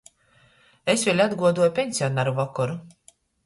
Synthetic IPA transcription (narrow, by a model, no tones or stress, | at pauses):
esvʲelʲad̪ɡuɔd̪uɔjpʲenʲsʲiɔnaɾuvakɔɾu